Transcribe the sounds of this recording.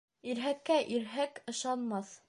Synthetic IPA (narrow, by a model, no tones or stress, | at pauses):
iɾɦækːæʔiɾɦækɤ̆ʃɑnmɑθ